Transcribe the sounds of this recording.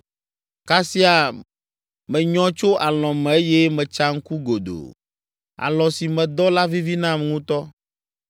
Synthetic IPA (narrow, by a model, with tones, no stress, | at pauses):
ka˦si˦a˨ | mɛ̃˨ɲɔ̃˦t͡ʃo˦ʔa˨lɔ̃˨mɛ̃˨e˦je˦mɛ̃˨t͡ʃa˦ŋ̩˦ku˦ɡo˨d̪o̰˨ | a̰˨lɔ̃˨si˨mɛ̃˨d̪ɔ˦la˦vi˦vi˦nã˦m˨ŋũ˦t̪ɔ˦